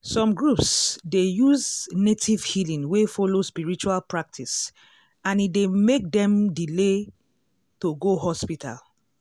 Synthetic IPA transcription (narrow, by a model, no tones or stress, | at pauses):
sɔ̃mɡɹupsdejuznetʰiv̥hilĩŋwefɔlospiɹit͡ʃualpɹak̚tʰis | ãnidemek̚dɛ̃mdile | toɡoɦɔspitʰa̰l